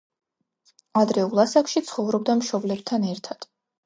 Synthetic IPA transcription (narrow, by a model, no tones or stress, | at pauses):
ad̪ɾɛulˠasakʃit̪sʰχɔvɾɔb̚d̪amʃɔblɛb̚t̪ʰanɛɾt̪ʰad̪̥